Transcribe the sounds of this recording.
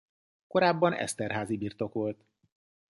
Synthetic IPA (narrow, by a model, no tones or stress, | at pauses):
ko̞ɾaːbːɒnɛ̰st̪ɛrɦaːzibiːrt̪o̞kʋo̞lt̪